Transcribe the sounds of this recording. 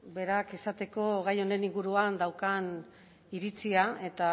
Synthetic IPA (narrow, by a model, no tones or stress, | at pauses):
be̞ɾake̞sat̪e̞ko̞ɣajo̞ne̞niŋɡuɾuand̪awkan | iɾit͡siae̞t̪a